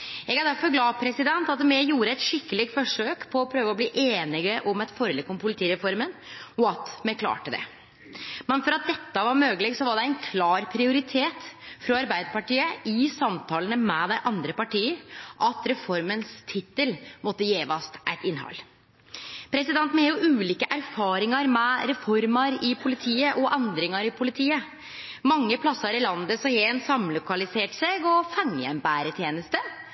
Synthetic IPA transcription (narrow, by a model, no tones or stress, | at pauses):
ɛɡæd̪æɾfɔɾɡlɑːpʰɾɛsɪd̪ɛnt̪ɑt̪mɛjuːɾəɛt̪ʂɪkːəlɪɡ̚t̪fɔʂøːkpʰɔːpʰɾøːʋəɔbliːʔeːnɪɡəʔɔmɛt̪fɔɾəlɪkɔmpʰʊlɪt̪ʰiːɾɛfɔɾmənɔɑt̪mɛkʰlɑ̰ːʈəd̪ɛ̰ | mɛnfɔɾɑt̪̚d̪ɛt̪ːəʋɑɾmøːɡəlɪɡsɔʋɑɖɛɪnkʰlɑːɾpʰɾɪʊɾɪt̪ʰeːt̪fɾɔɑɾbæɪd̪əɾpɑʈiːəɪsɑmt̪ʰɑːlənəmɛd̪æɪʔɑnd̪ɾəpɑʈiːəɾʔɑt̪ɾɛfɔɾmənst̪ʰɪt̪ːəlmɔt̪ːəjeːʋɑst̪ʔæɪt̪ɪnːhɑ̰lː | pʰɾɛsɪd̪ɛnt̪n̩hɑːɾjʊʔʉːliːkəʔæɾfɑːɾɪŋɑɾmɛɾɛfɔɾmɑɾɪpʰʊlɪt̪ʰiːəʔɔʔɛnd̪ɾɪŋɑɾɪpʰʊlɪt̪ʰiːə | mɑŋːəpʰlɑsːɑɾɪlɑnd̪əsɔheːnsɑmlʊkɑlɪseːʈseːɡɔfɑŋjɛ̰mbæːɾət̪ʰjeːnəst̪ə